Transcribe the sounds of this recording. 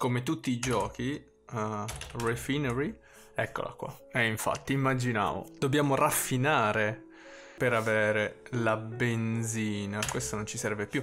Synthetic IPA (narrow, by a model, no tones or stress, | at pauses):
komet̪ut̪ːiːd͡ʒɔːk̟i | refinɛɾi | ɛkːo̰la̰kːwa̰ɛiɱfa̰t̪ːiːmːad͡ʒina̰ːvo̰d̪̥objaːmorafːinaːɾe | peɾaveːɾelabenziːnakwest̪onont͡ʃisɛɾvepju